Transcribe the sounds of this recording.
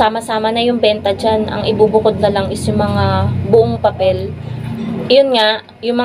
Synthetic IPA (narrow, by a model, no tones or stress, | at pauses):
aːmɐsaːmɐnɐjʊŋbɛnt̪ɐd͡ʒanʔɐ̰ŋʔɪbubʊkod̪̚nɐlɐŋɪsjʊŋmɐŋabʊʔoŋpɐpɛl | jonŋaʔ | jʊŋmɐ